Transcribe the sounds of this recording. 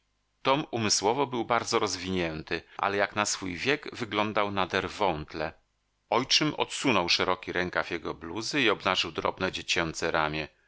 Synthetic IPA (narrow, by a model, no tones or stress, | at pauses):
t̪ɔmumɘswɔvɔbɘwbaɾd̪zɔɾɔzvʲiɲɛnt̪ɘʔa̰lɛjaknasfujvʲjɛɡvɘɡlɔnd̪awnad̪ɛɾvɔnt̪lɛ | ɔjt͡ʂɘmʔɔ̰t̪sunɔwʂɛɾɔkʲiɾɛŋkavʲjɛɡɔbluzɘiɔbnaʐɘwd̪ɾɔ̰bnɛd͡ʑet͡ɕɛnt̪sɛɾamʲjɛ